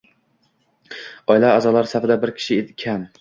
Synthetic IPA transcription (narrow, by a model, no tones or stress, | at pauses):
ɒjlaːzɒlaɾsafɪd̪abɪɾkʲʰɪ̥ʃɪekʲʰan